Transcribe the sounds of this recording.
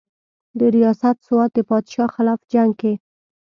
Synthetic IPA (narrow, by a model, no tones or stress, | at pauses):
d̪əɾijɑsat̪sʊwɑt̪̚d̪əpɑd̪ʃɑxɪlɑfd͡ʒaŋɡke